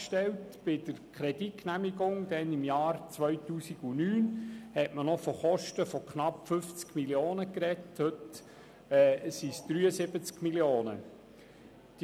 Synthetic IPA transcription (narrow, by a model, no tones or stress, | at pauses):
ʃtɛltb̥ɪd̥əɾkʰχɾɛditknæmiɡʊŋd̪̥ɛnɪmjɑːɾt͡sʋœɥtuːsiɡ̥unyːnhɛtmənɔfɔχɔʃtəfɔkχnɑpfʏft͡skmiljoːnəkɾɛthɵt | ɛsisd̥̪ɾyːəsɪbət͡skmiljoːnə̰ | d̥